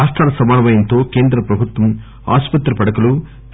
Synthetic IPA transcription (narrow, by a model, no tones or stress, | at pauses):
aːst̪aːɾɐsɐmaːnɐʋɐjɪnt̪oːkeːnd̪ɾɐpɾɐbɯt̪ːɐm | a̰ːspɐt̪ːɾɐpɐɽɐkːɐɭu